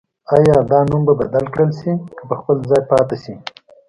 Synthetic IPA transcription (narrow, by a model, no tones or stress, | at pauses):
ɑjɑd̪ɑnumbabad̪alkɽəlʃikəpəxpəlzɑjpɑt̪aʃi